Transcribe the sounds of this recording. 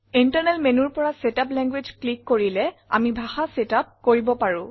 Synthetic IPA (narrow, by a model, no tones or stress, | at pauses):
intəɹnɛlmenuɹpɔɹasetaplɛŋɡwed͡ʒklikːoɹilɛa̰mibʱaxasetap̚koɹibɔpaɹʊ̃